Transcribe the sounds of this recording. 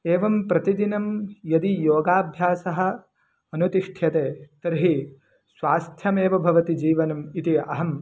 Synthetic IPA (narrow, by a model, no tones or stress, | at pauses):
eːʋɐmpɾɐt̪id̪inɐmjɐd̪ijoːɡaːbʱjaːsɐɦɐ̆ | ɐnut̪iʂʈʰjɐt̪eːt̪ɐɾɦi | sʋaːst̪ʰjɐmeːʋɐbʱɐʋɐt̪id͡ʒiːʋɐnɐmit̪iɐɦɐm